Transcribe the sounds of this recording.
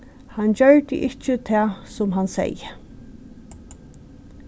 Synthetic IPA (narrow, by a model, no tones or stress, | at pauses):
hand͡ʑœɹt̪ə̰ʔɪt͡ʃːət̪ʰæːsʊmɦansɛ̰jə